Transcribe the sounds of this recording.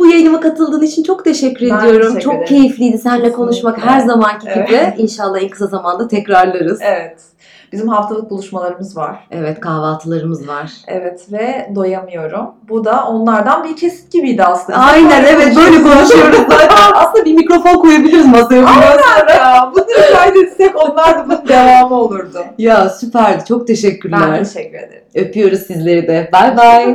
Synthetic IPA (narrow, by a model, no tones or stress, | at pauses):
b̥ujajɯnɯmakat̪ʰɯlˠd̪ɯːnit͡ʃʰint͡ʃʰo̞kt̪ʰe̞ʃɛcːyɾe̞d̪ijo̞ɾumt͡ʃʰo̞k̚cʰe̞jiflʲijd̪isænlʲɛkʰo̞nuʃmakhæɾzamancʰiibɾɛinʃalˠːaɛnkʰɯ̥sazamand̪at̪ʰɛcɾaɾlˠaɾɯz̥evɛt̪ | b̥izimɦaft̪ʰalˠɯk̚bulˠuʃmalˠaɾɯmɯzva̰̥evɛt̪kʰaːvaːt̪ʰɯlˠaɾɯmɯzvaɾ̥ɛ̰vɛt̪vɛd̪o̞jamɯjo̞ɾumbud̪aʔo̞nlˠaɾd̪anbiɾcʰe̞si̥t̪cibijd̪ɪasɯnajnæevɛt̪bøjlʲɛkonuʃɯjo̞ɾuzb̪ajbaasɯnd̪abiɾmicɾo̞fo̞nkujabilʲiɾizmasajakɯanvabud̪yɾkajd̪esɛko̞nlˠaɾd̪amuk̚d̪evaːmɯo̞lˠuɾd̪ʊjasypʰæɾd̪ɪt͡ʃʰo̞k̚t̪ʰe̞ʃɛcʰːyɾlʲæɾʰʃɛcːyɾed̪eɾø̞pʰyjo̞ɾuzsizlʲe̞ɾid̪ɛbalbaj